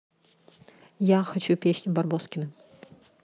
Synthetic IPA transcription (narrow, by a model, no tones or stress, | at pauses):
jaxɐt͡ɕupʲesʲnʲʊbɐrboskʲɪnɨ